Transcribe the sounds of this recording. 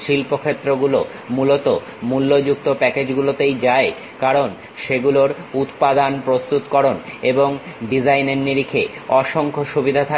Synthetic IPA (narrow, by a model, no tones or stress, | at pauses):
ʃilpokʰet̪ːɾoɡulo | mulot̪o | mulːod͡ʑuk̚t̪opɛked͡ʑɡulot̪ejd͡ʑae | kaɾon | ʃeɡuloɾut̪pad̪anpɾost̪ut̪kɔɾoneboŋɖid͡ʑajneɾniɾikʰeɔʃoŋkʰoʃubid̪ʱat̪ʰa